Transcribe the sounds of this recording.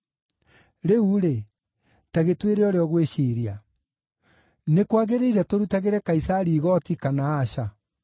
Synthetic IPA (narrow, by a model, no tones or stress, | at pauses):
ɾeuɾe | taɣetweɾeɔɾeɔɣweɕiɾia | nekwaɣeɾeiɾɛtoɾutaɣeɾɛkaisaɾiːɣɔtikanaːɕa